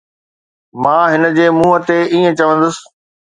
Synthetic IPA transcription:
mãːɦɪnə̆d͡ʑeːmuːɦət̪eiːə̃t͡ɕɐʋə̃nd̪əs

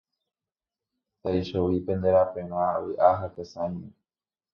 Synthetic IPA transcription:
t̪ajʃowipẽ̞nd̪eɾapẽɾ̃õãwɨʔaɦakesãjmẽ

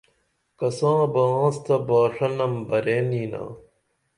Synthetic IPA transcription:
kɐsãːbɐãːst̪ɐbaːʂɐnɐmbɐɾeːniːna̰ː

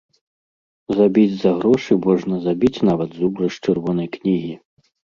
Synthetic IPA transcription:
zabʲid͡zʲzɐɣɾɔʂɨmɔʐnɐzabʲit͡sʲnavɐd̪zubɾɐʂt͡ʂɨrvɔnɐjknʲiɣʲi

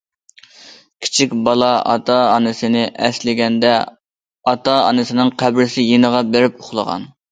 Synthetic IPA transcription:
kʲʰi̥t͡ʃʰikʲbɑlˠɑɑ̰t̪ʰɑːnɨsɪnɪʔɛslɪɡʲɛnd̪ɛ | ɑt̪ɑɑ̰nɨsɪnɨŋqʰæbɾɪsɪjenəʁɑbeɾɪpʊχlˠə̰ʁɑ̰n

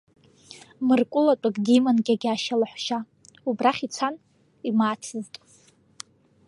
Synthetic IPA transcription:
mɨrkʷʼʊlatʷʼakʼdimanɡʲaɡʲaʃalaħʷʃa | ubraχʲit͡sʷʰan | imaːt͡sʰɨztʼ

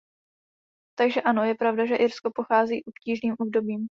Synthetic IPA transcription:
t̪aɡʒɛʔano̞jɛpɾavdaʒɛʔɪɾsko̞po̞xaːziːʔopciːʒniːmʔobdo̞biːm

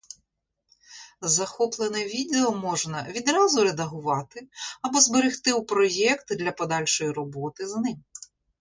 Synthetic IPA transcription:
zɐxɔplˠenɛʋʲid̪eɔmɔʒnɐʋʲid̪ɾɑzʊɾed̪ɐɦʊʋɑt̪ɪɐbɔzbeɾɪxt̪ɪwpɾɔjɛkt̪d̪lʲɐpɔd̪ɑlʲʃɔjiɾɔbɔt̪ɪznɪm

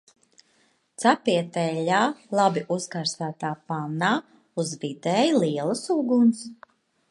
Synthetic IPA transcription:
t̪sapiɛt̪ɛʎaːlˠabiʔuskaɾsaːt̪aːpanaː | uzvid̪ɛːjlˠiɛlˠɐsuɡuns

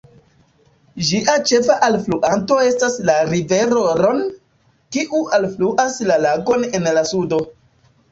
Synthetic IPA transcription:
d͡ʒiʔat͡ʃe̞faʔalfluʔanto̞e̞staslaɾive̞ɾoɾo̞n | kiʔualfluʔaslalaɡo̞ne̞nlasudo̞

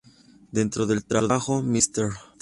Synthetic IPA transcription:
d̪ent̪ɾoðe̞lt̪ɾaɾðaxomist̪eɾ

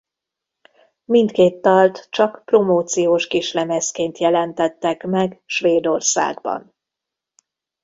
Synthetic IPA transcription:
mint̪keːt̪ːɒlt̪t͡ʃɒkpro̞moːt̪sijoːʃkiʃlɛmɛskeːnt̪jɛlɛnt̪ɛt̪ːɛkmɛɡʃʋeːd̪o̞rsa̰ːɡbɒ̰n

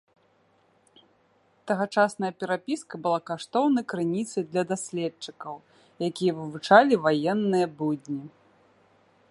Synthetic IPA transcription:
t̪ɐɣat͡ʂasnɐjɐpʲɛɾapʲiskɐbɨlˠakaʂt̪ɔwnɐjkɾɨnʲit̪sɐjd̪lʲɐd̪asʲlʲɛt͡ʂɨkɐw | jakʲijɐvɨvut͡ʂalʲivajɛnːɨjɐbudʲnʲi

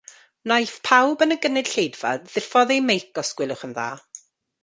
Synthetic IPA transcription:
najθpʰawbənəɡənɨd̥ɬejdv̥a̰ðɪfɔðejmejkɔsɡ̥wɪlˠʊχənða̰ː

